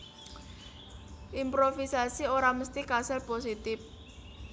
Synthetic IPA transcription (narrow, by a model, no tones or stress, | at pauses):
ʔimpɾofisasioɾaməst̪ikasɛlposit̪ɪf